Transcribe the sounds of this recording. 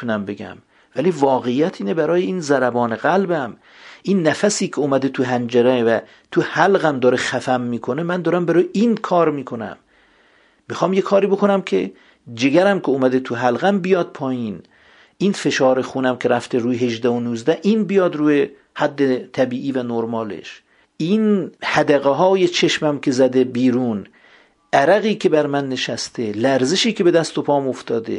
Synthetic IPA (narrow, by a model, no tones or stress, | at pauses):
unæmbeɡæ̰m | væliːvɒːɣejːæt̪ʰiːnebæɾɒːjeiːnzæɾæbɒːneɣælbæm | ʔinːæfæsiːkʰeoːmæd̪et̪ʰuɦænd͡ʒæɾævæ | t̪ʰuhælɣæmd̪ɒːɾexæfæmːiːkʰonemænd̪ɒːɾæmbæɾujeʔiːnkʰɒːɾmiːkʰonæ̰mː | ixɒːmjekʰɒːɾiːbokʰonæmkʲʰḛ | d͡ʒeɡæɾæmkʲʰeoːmæd̪et̪ʰuɦælɣæmbijɒd̪̚pʰɒːjiːn | ʔiːnfe̞ʃɒːɾexuːnæmkʲʰeɾæft̪ʰeɾuːjeɦeʒd̪æhonuːzd̪æʔiːnbijɒːd̪ɾuːje | hæd̪ːet̪ʰæbiːʔiːvænoɾmɒːlḛʃ | ʔinhæd̪æɣeɦɒːjet͡ʃʰeʃmæmkʰʲe̞zæd̪ebiːɾuːn | ʔæɾæɣiːkʰe̞bæɾmænːeʃæst̪ʰelæɾzeʃiːkʰe̞be̞d̪æst̪opʰɒːmoft̪ʰɒːd̪ḛ